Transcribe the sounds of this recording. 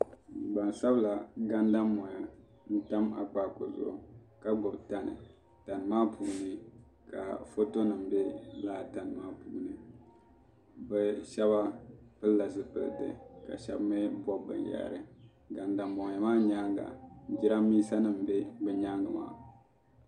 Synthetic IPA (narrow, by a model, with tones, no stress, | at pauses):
ɡ͡ba˨n˨sa˦bla˨ɡa˦nda˦mːɔ˨ŋɛ˨ | n̩˦ta˦ma̰˨k͡paː˦ko˨zʊ̰˦˨ | ka˦ɡɔ˨bta˨˦nɨ̰˨ | ta˨nɨ˨maː˦puː˨nɨ˦ | ka̰˨fo˦to˦nɨ˨m̩˨be˦laː˦˨ta˨nɨ˨maː˦puː˨˦nɨ˨ | bɛ˨ʃɛ˦βa˦pɨ˦lla˨sɨ˦pɨ̰˨ltɨ̰˨ka̰˨ʃɛ̰˦bmɛ˦bʷɔ˦bɨ̰˨n˨jɛ̰˨ɾɨ˨ | ɡa˨nda˨mːɔ˨ŋ˨ɛ˨maː˦ɲa˦ŋɡa̰˨d͡ʒi˦ɾa˦miː˦sa˦nɨ˦m̩˨be˦bɨ˨ɲa˦ŋɡɨ˨ma̰ː˨